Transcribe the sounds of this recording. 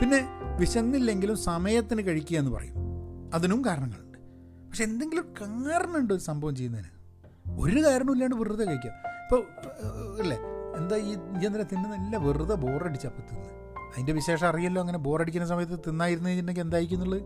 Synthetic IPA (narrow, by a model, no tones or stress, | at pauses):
pinːe̞ʋiɕɐnːilːe̞ŋɡilumsɐmɐjɐt̪ːinɨkɐɻikʲːuɣɐenːɨpɐ̰rɐ̰jṵmɐðinumkaːɾɐɳɐŋːɐ̰ɭɳɖɨ̥ | pɐkʂeend̪e̞ŋɡilumkaːɾɐɳɐuɳɖɨoɾusɐmbʱɐʋɐmt͡ɕejːunːɐðḭna̰ | o̞̰ɾukaːɾɐɳumilːaːɳɖɨʋirɨðɐkɐɻikʲːaipːo | ilːeend̪aienːɐlet̪inːenɐlːɐʋirɨðɐbo̞ːrɐɽit͡ɕːɐpːut̪ːunːɐ | ɐðinde̞ʋiɕe̞ːʂɐɐrijɐlːoɐŋːɐne̞bo̞ːrɐɽik̬ʲːunːɐs̬ɐmɐjɐt̪ːɨt̪inːaːjiɾunːuɣeinːekːend̪aːjɾikʲːunːuɭːɐð